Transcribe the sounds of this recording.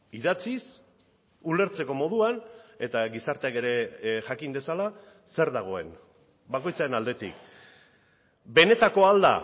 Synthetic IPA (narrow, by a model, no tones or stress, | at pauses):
iðat͡sis | ule̞ɾt͡se̞ko̞mo̞ð̞uane̞t̪aɣisaɾt̪eake̞ɾe̞ʝakind̪e̞sala | se̞ɾðaɣ̞o̞e̞̰n | bako̞jt͡saɾenald̪e̞t̪ḭk | be̞ne̞t̪ako̞ald̪a̰